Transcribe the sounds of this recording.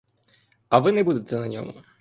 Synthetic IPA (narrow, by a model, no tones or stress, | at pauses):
ɐvɨnɛbud̪ɪt̪ɛnɐnʲɔ̰m